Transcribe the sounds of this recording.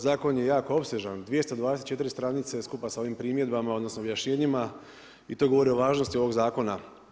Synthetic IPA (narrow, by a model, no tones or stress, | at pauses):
zaːko̞njejaːko̞o̞pseʒand̪ʋijest̪od̪ʋaːd̪eset̪t͡ʃe̞t̪iɾist̪ɾanit̪seskupasao̞ʋiːmpɾiːmje̞d̪bamao̞d̪no̞snobjaʃɲe̞ːɲima | it̪o̞ːɡo̞ʋo̞ɾio̞ʋaːʒnost̪io̞ʋo̞ɡzaːko̞na